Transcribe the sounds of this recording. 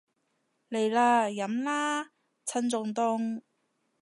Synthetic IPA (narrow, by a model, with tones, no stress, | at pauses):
le˨˩jlaː˧jɐ˨˥mlaː˥ | t͡sʰɐ˥nt͡sʊ˧ŋt̪ʊ˥˧˥ŋ